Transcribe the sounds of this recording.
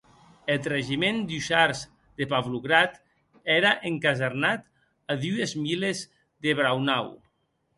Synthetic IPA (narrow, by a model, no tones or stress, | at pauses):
et̪reʒimend̪uʃaɾz | d̪epaβluɣɾat̪ | ɛɾaʔeŋkazeɾnat̪ | aðuezmilez | ðeβɾawnaw